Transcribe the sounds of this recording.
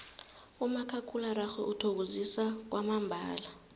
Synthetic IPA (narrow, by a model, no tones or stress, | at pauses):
umakʰakʰulaɾaxwɛʔutʰok̬uzisak̬wamambʱa̰ːla